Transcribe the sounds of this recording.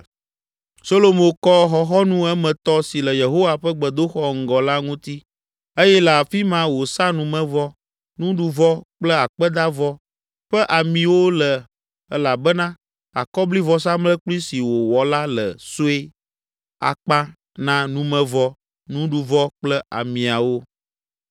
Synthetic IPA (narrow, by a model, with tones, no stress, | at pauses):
so˦lo˦mõ˦kɔ˦xɔ˦xɔ˦nũ˦ɛ˦mɛ̃˨t̪ɔ˦si˨lə˨je˨ɦo˦wa˦ɸɛ˦ɡ͡bɛ˨d̪o˦xɔ˦ŋ̩˨ɡɔ˨la˦ŋũ˦t̪i˦ | e˦jɛ˦lɛ˨a˨fi˦mã˦wo˨sã˦nũ˨mɛ̃˦vɔ˦ | nũ˦ɖu˦vɔ˦k͡plɛ˦a˨k͡pɛ˦d̪a˦vɔ˦ | ɸɛ˦ʔa˨mĩ˨wo˦lə˨ | ɛ˦la˨bɛ˦nã˦ | a̰˨kɔ˦bli˦vɔ˨s̬ã˦mlɛ˦k͡pli˦si˨wo˨wɔ˨la˦lə̰˨so˦e˦ | a̰˨k͡pã˦ | nã˦nũ˦mɛ̃˨vɔ˦ | nũ˦ɖu˨vɔ˦k͡plɛ˦ʔa̰˨mĩ˨a˨wo˦